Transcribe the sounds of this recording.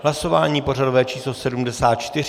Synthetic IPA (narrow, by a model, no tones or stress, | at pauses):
ɦlaso̞vaːɲiːpo̞rado̞vɛːt͡ʃiːslo̞sɛdumdɛsaːt̪̚t͡ʃt̪ɪr